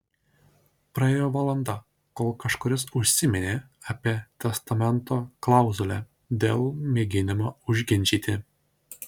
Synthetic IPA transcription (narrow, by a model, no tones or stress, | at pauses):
pɾɐeːjoːʋɐlˠɐnd̪ɐ | koːlˠkɐʃkoɾʲɪs̬ʊʃʲsʲɪmʲɛnʲeː | ɐpʲiɛt̪ʲɛst̪ɐmʲɛnt̪oːklˠɑˑʊzulʲɛ | d̪ʲeːlˠmʲeːɡʲɪnʲɪmoːʊʒʲɡʲɪnʲt͡ʃʲiːt̪ʲɪ